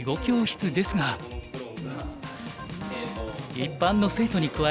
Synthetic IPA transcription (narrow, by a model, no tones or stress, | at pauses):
ɡo̞kʲo̞ːɕi̥t͡sɨd̪e̞sɨɡa | ipːãnːo̞se̞ːt̪o̞ɲ̟ikɯ̟βa